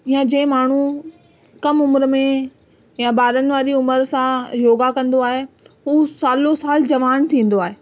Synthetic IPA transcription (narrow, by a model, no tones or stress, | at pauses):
jãd͡ʑẽːɪ̃maːɳ̤u | kɐmʊmɾmẽ | jabaːɾənɪ̆ʋaːɾiʊməɾsãjoːɡakɐ̃nd̪oaːɦeɦuːsaːlosaːld͡ʑɐʋaːnt̪ʰĩːn̆d̪oaːɦeː